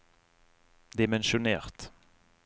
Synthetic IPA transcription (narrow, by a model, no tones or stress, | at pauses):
d̪ɪmɛnʃʊneːʁt̪